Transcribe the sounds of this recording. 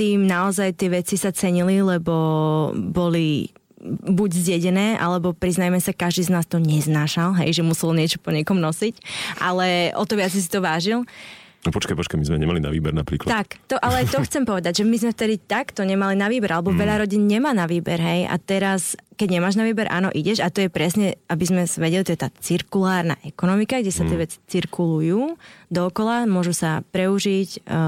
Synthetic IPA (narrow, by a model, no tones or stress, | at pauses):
t̪iːmnaɔzajt̪ɪɛʋɛt͡sisat͡sɛɲililɛbɔ | bɔli | buɟzɟɛɟɛnɛːʔa̰lɛbɔpɾiznajɛmɛsakaʒd̪iːznaːst̪ɔɲɛznaːʃalɦɛ̰jʒɛmusɛlɲɪɛt͡ʃɔpɔɲɛkɔmnɔsicʔalɛʔɔ̰t̪ɔʋɪat͡sis̬i̥t̪ɔʋaːʒilnpɔt͡ʃkajpɔt͡ʃkajmizmɛɲɛmalina̰ʋḭːbɛɾna̰pɾiːklt̪akt̪ɔʔalɛajt̪ɔxt͡sɛmpɔʋɛd̪aɟʒɛmizmɛft̪ɛd̪it̪akt̪ɔɲɛmalinaʋiːbɛɾʔalɛbɔʋɛʎaɾɔɟinɲɛmaːnaʋiːbɛɾɦɛjʔa̰t̪ɛɾaskɛɟɲɛmaːʒnaʋiːbɛɾʔa̰ːnɔ̰ʔiɟɛʒat̪ɔjɛpɾɛsɲɛabizmɛsʋɛɟɛlit̪ɔjɛt̪aːt͡siɾkulaːɾna̰ʔɛkɔnɔmikaɡɟɛsat̪ɪɛʋɛt͡si̥t͡siɾkʰulujuːd̪ɔːkɔlamʊɔʒusapɾɛuʒic